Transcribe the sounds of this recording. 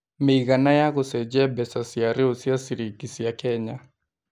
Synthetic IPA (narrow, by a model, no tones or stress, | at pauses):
meiɣanajaɣɔsɛd͡ʒɛbɛsasiaɾɪosiasiɾikisijakɛɲa